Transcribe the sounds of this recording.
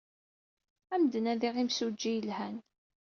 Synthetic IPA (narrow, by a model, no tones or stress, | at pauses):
æmd̪ənæðiʁimsud͡ʒːijəlhæn